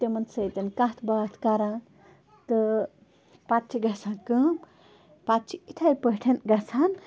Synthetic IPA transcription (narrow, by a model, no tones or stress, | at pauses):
t̪emɐnsɐjt̪ɐnkãɦt̪ʰbat̪ʰkaɾã | t̪ɨ | patt͡ʃʰiɡɐsʰãnkɨm | patt͡ʃʰiit̪ʰajpəʈʰɐnɡɐsʰan